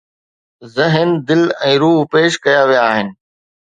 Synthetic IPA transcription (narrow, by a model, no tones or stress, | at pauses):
zɪɦənd̪ɪlɛ̃ːɾuːɦpeːʃkɐjaʋijaːɦɪnɪ̆